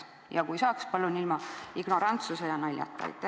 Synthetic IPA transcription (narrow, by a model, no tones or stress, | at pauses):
jɑkujsɑːkspɑlːunilmɑiɡ̥no̞ɾɑnt̪susejɑnɑlʲːjɑ̰t̪ːˑɑ̰jt̪ːˑæ